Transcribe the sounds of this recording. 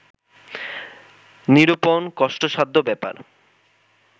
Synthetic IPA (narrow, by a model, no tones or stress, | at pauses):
niɾuponkɔʃʈoʃad̪ʱːobɛpa̰ɾ